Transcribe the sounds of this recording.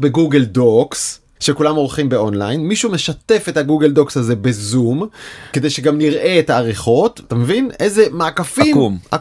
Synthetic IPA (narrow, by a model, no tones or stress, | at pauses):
beɡuɡeldoks | ʃekulamo̞ʁχimbe̞o̞nlajinmiʃumeʃate̞fet̪haɡuɡeldo̞kshaze̞be̞zumke̞d̪e̞jʃeɡamniʁʔe̞etaːʁiχo̞tatamevine̞jzemaːkafima